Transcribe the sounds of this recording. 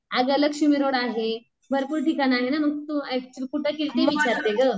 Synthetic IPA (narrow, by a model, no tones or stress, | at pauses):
aɡələɡɕumiɾoɽaɦe | bʱəɾpuːɾʈikanaɦenaməɡ̚t̪ut͡ɕkuʈʰəkilt̪eʋit͡ɕaɾt̪eɡə